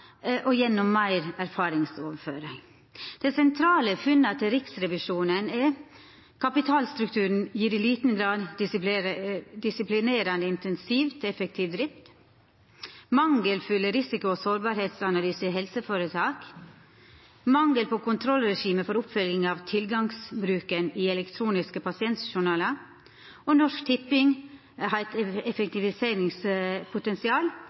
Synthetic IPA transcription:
ʔɔjɛnːɔmːæɪɾæɾfɑːɾɪŋsoːʋəɾføːɾəŋ | d̪̥ɛsɛnt̪ʰɾɑːləfʉnːɑt̪ʰɪlɾɪksɾɛʋɪʂuːnənɛ | kʰɑpɪt̪ʰɑːlst̪ɾʉkt̪ʰʉːɾn̩jiːɾɪliːt̪n̩ɡɾɑːd̪ | d̪ɪsɪplɪneːɾɑnd̪əɪnt̪ʰɛnsiːʋt̪ʰɛfək̚t̪ʰiːʋd̪ɾɪft̪ | mɑŋɡəlfʏlːəɾɪsɪkʊoːsoːɾbɑːɾheːt̪sɑnɑlyːsəɦɛlsəfoːɾət̪ʰɑːk | mɑŋɡəlpʰoːkʊnt̪ʰɾɔlɾɛʃiːməfɔɾʊpfœlɡɪŋɑːʋt̪ʰɪlɡɑŋsbɾʉːkəniːɛlɛkt̪ʰɾuːnɪskəpʰɑsɪɛnt̪ʃʊɳɑːlə | oːnɔʂkt̪ʰɪpːɪŋ | hɑɛt̪ɛfɛk̚t̪ɪʋɪseːɾɪŋspʰʊt̪ɛnsɪɑːl

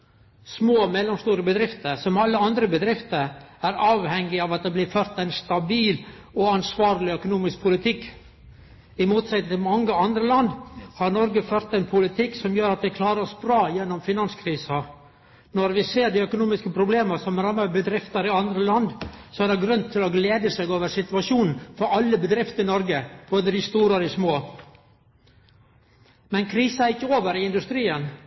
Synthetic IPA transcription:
smoːmɛlːɔmst̪uːɾəbəd̪ɾɪft̪əɾsɔmɑlːəɑnd̪ɾəbəd̪ɾɪft̪əɾæɾɑːʋhɛŋːɪɑʋɑt̪̚d̪ɛblɪføːɾt̪æɪnst̪ɑbiːl | ɔɑnsʋɑːɾlɪœkʊnuːmɪsk̚pʰʊlɪt̪ʰɪkː | ɪmuːt̪sɛt̪ət̪ʰɪlmɑŋːəɑnd̪ɾəlɑnd̪hɑɾnɔɾɡəføːɾt̪ænpʰʊlɪt̪ʰɪksɔmjøːɾɑt̪̚d̪ɛkʰlɑːɾəɾɔsbɾɑːjɛnːɔmfɪnɑnskʰɾiːsɑ | nɔɾʋɪseːɾɖ̪ɪœkʊnuːmɪskəpʰɾʊbleːmɑsɔmɾɑməbəd̪ɾɪft̪ɑɾɪɑnd̪ɾəlɑnd̪sɔæd̪ɛɡɾʉnt̪ʰːɪlɔɡleːd̪əsɛɡoːʋəɾsɪt̪ʋɑʂuːnn̩fɔɾɑlːəbəd̪ɾɪft̪əɪnɔɾɡəb̥oːd̪əd̪ɪst̪uːɾɑd̪ɪsmoː | mɛnkʰɾiːsɑæɾɪkːəoːʋəɾɪɪnd̪ʉst̪ɾiːən

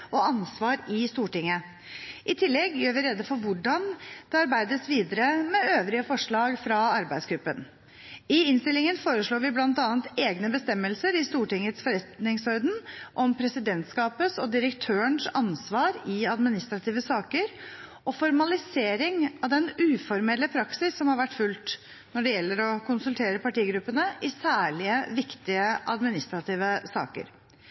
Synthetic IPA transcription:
ɔɑnsʋɑːɾɪst̪uːʈɪŋːə | ʔɪt̪ʰɪlːɛɡjøːɾʋɪɾɛd̪əfɔɾʋʊɖɑnd̪̥ɛɑɾbæɪd̪əsʋiːd̪əɾəmɛøːʋɾɪəfɔʂɭɑːɡfɾɑɑɾbæɪd̪sɡɾʉpːən | ɪɪnst̪ɪlːɪŋənfoːɾəʂɭoːɾʋɪblɑnt̪ɑːnt̪eːɡnəbəst̪ɛmːəlsəɾɪst̪uːʈɪŋət̪sfɔɾɛt̪nɪŋsɔɾd̪n̩ʔɔmpʰɾɛsɪd̪ɛnt̪skɑːpəsɔd̪ɪɾəkt̪ʰøːəɳsɑnsʋɑːɾɪɑd̪mɪnɪst̪ɾɑt̪ʰiːʋəsɑːkəɾ | ɔfɔɾmɑlɪseːɾɪŋɑʋd̪ɛnʉːfɔɾmɛlːəpʰɾɑksɪsːɔmhɑɾʋæʈːfʉlt̪ | nɔɖɛjɛlːəɾɔkʰʊnsʉlt̪ʰeːɾəpɑʈiːɡɾʉpːənəʔɪsæːɭɪəʋɪkt̪ɪəʔɑ̰d̪mɪnɪst̪ɾɑt̪ʰiːʋəsɑ̰ːkə̰ɾ

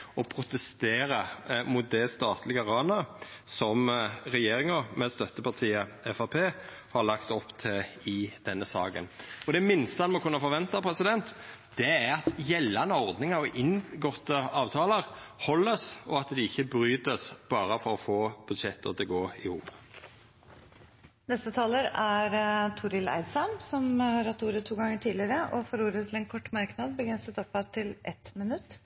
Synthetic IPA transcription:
ɔpʰɾʊt̪ɛst̪eːɾəmʊt̪̚d̪ɛst̪ɑːt̪lɪɡəʁɑːnəsɔmɾɛjeːɾɪŋəmɛst̪œt̪ːəpɑʁt̪ʰiːəɛfɑpʰeː | hɑɾlɑkt̪ɔpːt̪ʰɪlɪd̪̥ɛnːəsɑːɡə̰nɔd̪ɛmɪnst̪əɑnmɔkʰʉnːɑfɔɾʋɛnt̪ɑpʰɾɛsɪd̪ɛnt̪ | d̪̥ɛæɾɑt̪jɛlːɑnəɔɾd̪nɪŋəɾɔʔɪnɡɔt̪ːəɑːʋt̪ʰɑːləʁhɔlːəsɔɑt̪d̪ɪɪçːəbɾyːt̪əsb̥ɑːɾəfɔɾɔfoːb̥ʉd̪ʃɛt̪ːɔ̰t̪ɪlɡoːɪhṵːp | nɛst̪ət̪ʰɑːləɾæɾt̪ʰʊɾɪlæ̰ɪd̪sɑnsɔmhɑɾhɑt̪ːuːɾət̪ʰːuːɡɑŋəʈʰiːdlɪəɾəʔɔfɔɾuːɾət̪ʰɪlɛnkʰɔʈːmɑɾknɑd̪̚bəɡɾɛnsət̪ɔpːɑt̪ʰːɪlʔɛt̪mɪnʉt̪ː

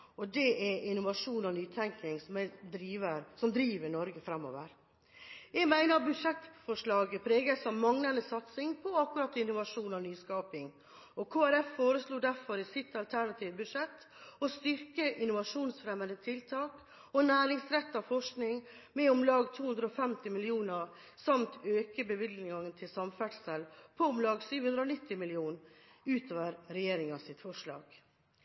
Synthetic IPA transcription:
ɔd̪ɛʔɛɪnʊʋɑʂuːnɔnyːt̪ʰɛŋkɪŋsɔmɛd̪ɾiːʋəɾsɔmd̪ɾiːʋənɔɾɡəfɾɑmːɔ̰ːʋə̰ɾ | jɛɡmæɪnəɾbʉd̪ʂɛt̪ːfɔʂɭɑːɡəpʰɾeːɡəsɔmmɑŋnɑnəsɑt̪sɪŋpʰɔɑkːʉɾɑt̪ːɪnʊʋɑʂuːnɑʋnyːskɑːpɪŋ | ɔkʰoːæɾɛfːoːɾəsluːd̪æɾfɔɾɪsɪt̪ːɑlt̪ʰæɳɑt̪ʰiːʋəbʉʂɛt̪ː | ɔst̪ʏɾkəʔɪnʊʋɑʂuːnsfɾɛmənd̪ət̪ʰɪlt̪ʰɑːk | ɔnæːɾɪŋsɾɛt̪ːɑʋfɔʂknɪŋmɛɔmlɑːɡt̪ʰuːhʉnd̪ɾəɔfɛmt̪ɪmɪlɪuːnəɾ | sɑmt̪ʰøːkəbəʋɪd̪nɪŋɑŋənt̪ʰɪlsɑmfæʈsəlpʰɔʊmlɑːɡsyːʋhʉnd̪ɾəɔːnɪt̪ːɪmɪlɪuːnʉːt̪ʰoːʋəɾɾɛjeːɾɪŋɑsɪt̪fɔʂɭɑ̰ːɡ̥

